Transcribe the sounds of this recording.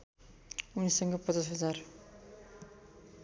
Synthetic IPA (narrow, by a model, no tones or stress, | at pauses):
unisʌŋɡʌpʌt͡sʌs̬ɦʌd͡zar